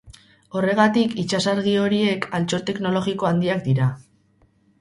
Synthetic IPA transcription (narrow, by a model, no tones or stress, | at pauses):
o̞re̞ɣat̪ikit͡ʃasaɾɣ̞io̞ɾie̞kʰalt͡ʃo̞ɾt̪e̞kno̞lo̞ɣiko̞and̪iak̚d̪iɾa